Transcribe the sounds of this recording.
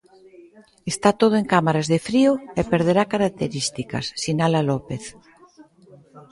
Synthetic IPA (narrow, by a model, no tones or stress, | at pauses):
est̪at̪oð̞oeŋkamaɾazðefɾioepeɾð̞eɾakaɾak̚t̪eɾist̪ika̰sːinalalopeθ